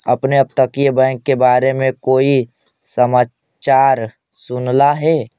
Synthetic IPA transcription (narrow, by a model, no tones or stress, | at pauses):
ɐ̰pneɐb̚t̪əkjebɛ̃ːkːebaːɾemẽkoːisəmaːt͡ʃaːɾ | sʊnlaɦɛː